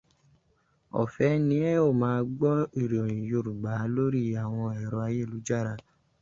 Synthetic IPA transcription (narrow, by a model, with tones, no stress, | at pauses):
ɔ̰˨fɛ˨˦nĩ˧˦ɛ˦o˦˨mãː˦˧ɡ͡bɔ˦i˦˨ɾi˨o˨j̃ĩ˨jo˧˨ɾu˨ɡ͡ba˨˦lo˦ɾi˦a˨w̃ɔ̃˧ɛ˨ɾɔ˧a˧je˦˨lu˨˦d͡ʒa˦˨ɾa˧